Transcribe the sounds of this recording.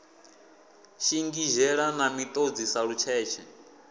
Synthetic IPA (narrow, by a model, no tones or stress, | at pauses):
ʃiŋɡiʒɛɺanamit̪ʼod͡zisaɺut͡ʃʰɛːt͡ʃʰɛ